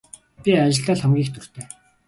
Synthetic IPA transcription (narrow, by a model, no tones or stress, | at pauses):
pʲiat͡ɕɪ̆ɮt̪æːɮχɔmɡʲiːxt̪ʰɵr̥t̪ʰeː